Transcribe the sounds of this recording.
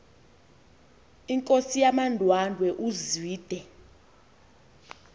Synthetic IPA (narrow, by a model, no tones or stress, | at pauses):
iŋkʼosijamandʱwandʱwɛʔuziːd̥ʱɛ